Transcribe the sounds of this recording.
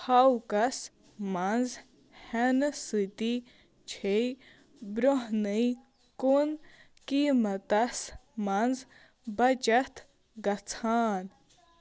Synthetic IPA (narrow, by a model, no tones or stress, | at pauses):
hɐwkɐs | mɐnz | hɛnsɨt̪i | t͡ʃʰej | bɾoɦnəj | kon | kiːmɐt̪ɐsmɐnd͡z | bɐt͡ʃɐt̪ʰ | ɡɐt͡sʰaːn